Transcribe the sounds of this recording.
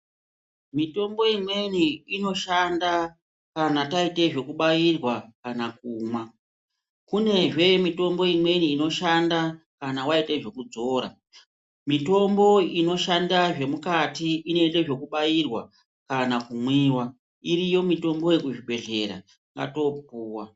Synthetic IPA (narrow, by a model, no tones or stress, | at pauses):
mito̞mbo̞imweniino̞ʃanda | kanataite̞ʐe̞kuɓajirwakanakuːmwa | kune̞ʐe̞mito̞mbo̞imwe̞niːno̞ʃanda | kanawaiteʐe̞kud͡zo̞ːɾa̰ | mito̞mbo̞ino̞ʃandaʐe̞mukatiine̞nde̞ʐo̞kuɓajirwa | kanakumwiːwa | irijo̞mito̞mbo̞jekuʐibʱe̞ɮe̞̰ɾa̰ | ŋɡa̰to̞p̚uːwa